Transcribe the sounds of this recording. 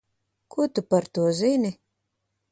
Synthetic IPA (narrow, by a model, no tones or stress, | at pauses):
kʰuɔt̪upaɾt̪uɔzinʲi